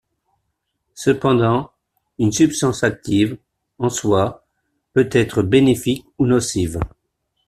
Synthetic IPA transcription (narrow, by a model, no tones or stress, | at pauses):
səpɑ̃d̪ɑ̃ | ynsypst̪ɑ̃sak̚t̪iv | ɑ̃swa | pøt̪ɛt̪χəbenefikunɔsiv